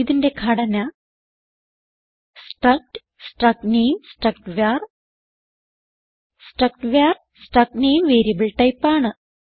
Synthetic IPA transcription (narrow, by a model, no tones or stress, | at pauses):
iðinde̞kʰɐɽɐnɐ | sʈrɐk̚ʈ | sʈrɐknejmsʈrɐkʈʋaːr | sʈrɐk̚ʈʋaːr | sʈrɐk̚nejmʋeːɾijɐbɨɭʈɐjpːaːɳɨ